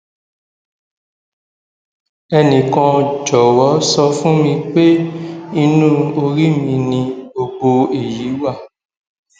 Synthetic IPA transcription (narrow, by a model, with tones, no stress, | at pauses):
ɛ˧nĩ˨kã˧d͡ʒɔ˨wɔ˨˦sɔ˧fũ˦mĩ˧k͡pe˦i˧nũ˦o˧ɾi˦mĩ˧nĩ˧o˧ɡ͡bo˧e˨ji˨˦wa˦˨